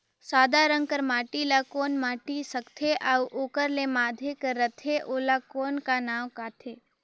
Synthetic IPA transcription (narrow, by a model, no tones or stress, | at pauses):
saːd̪ʱaɾə̃ŋɡ̚kəɾmaːʈilakoːnmaːʈisɐkt̪ʰeʔauʔoːkəɾlemaːd̪ʱekəɾət̪ʰeʔoːlakoːnkanaːwkaːt̪ʰeː